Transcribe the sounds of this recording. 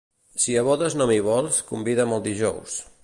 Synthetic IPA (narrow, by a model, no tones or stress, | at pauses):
siəβɔðəznɔmiβɔlˠskumbiðəməlˠd̪iʒɔws